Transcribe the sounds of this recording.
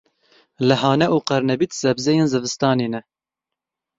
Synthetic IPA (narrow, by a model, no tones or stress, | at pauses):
lɨɦɑːnɛʔuːqɛɾnɛbit̪z̥ɛbzɛjenzɨvɨst̪ɑːneːnɛ